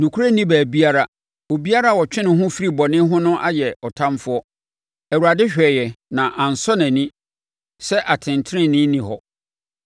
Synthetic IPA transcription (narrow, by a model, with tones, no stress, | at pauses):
nũ˨kʰu˦ɾa˦nĩ˦bæː˨bi˦a˦ɾa˦ | o˨bi˦a˦ɾa˦˨wɔ˨t͡ɕᶣɪ̃˦nɪ̃˨ɦʊ̃˦fi˦ɾi˨bɔ˨nɪ̃˦ɦʊ̃˦nʊ̃˦ʔa˦jɛ˨ɔ˨tʰã˦mfʊ˦ɔ˦ | ɛ˨wu˨ɾa˨dɪ˦ɕᶣɛ˨jɛ˨nã˨ʔã˨n̩˨sɔ˦nã˨nĩ˦ | sɛ˦ʔa˨tʰɪ̃˨ntʰɾɪ̃˦nɪ̃˦nĩ˨ɦɔ˨